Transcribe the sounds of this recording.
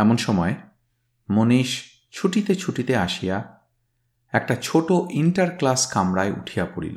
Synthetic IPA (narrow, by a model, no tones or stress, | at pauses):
ɛmonʃɔmɔe | moniʃ | t͡ɕʰuʈit̪et͡ɕʰuʈit̪eaʃija | ɛk̚ʈat͡ɕʰoʈoʔiɳʈaɾklaskamɾaeʔṵʈʰijapoɽḭlo̰